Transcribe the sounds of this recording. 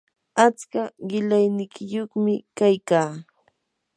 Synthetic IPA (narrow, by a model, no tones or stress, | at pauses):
at͡skaɢɪlajnɪkʰɪjoχmɪkajkaː